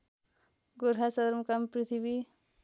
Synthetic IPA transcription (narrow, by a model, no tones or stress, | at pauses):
ɡuɾɦasʌd̪ɾmukampɾit̪ʰibi